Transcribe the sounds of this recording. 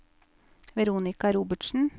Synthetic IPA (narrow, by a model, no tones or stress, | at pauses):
ʋɛɾuːnɪkɑɾuːbəʈʃn̩